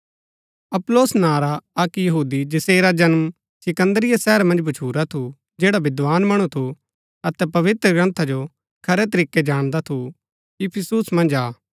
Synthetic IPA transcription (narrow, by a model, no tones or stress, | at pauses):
ɐploːsnaːɾaɐkjɐɦuːd̪id͡ʒɪseːɾad͡ʒɐnm | sɪkə̃nd̪əɾɪjasɛːɾmɐ̃nd͡ʒbɐt͡ʃʰuːɾat̪ʰu | d͡ʒeːɽabɪd̪ʋaːnmɐɽ̃ut̪ʰu | ɐt̪ɛpɐʋɪt̪ɾəɡɾɐ̃nt̪ʰad͡ʒo | kʰɐɾɛt̪̬ɐɾiːked͡ʒaːɽ̃d̪at̪ʰu | ɪpʰɪsuːsmɐ̃nd͡ʒaː